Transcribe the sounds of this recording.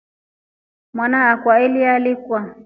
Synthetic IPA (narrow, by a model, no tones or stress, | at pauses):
mwanaːkwailialikwa